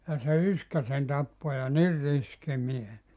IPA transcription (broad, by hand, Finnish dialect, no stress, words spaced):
jɑ se yskæ sen tɑpːo jɑ nir riski mies